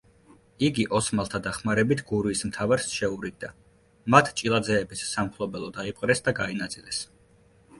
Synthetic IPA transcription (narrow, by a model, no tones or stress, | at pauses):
iɡiʔɔsmalˠt̪ʰad̪aχmaɾɛbit̪ʰɡuɾiːsmt̪ʰavaɾsʃɛuɾiɡ̚d̪a | mat̪ʰt͡ʃʼilˠad̪zɛːbissamχʰlˠɔbɛlˠɔd̪aipʼqʼɾɛsd̪aɡainat̪sʼilɛs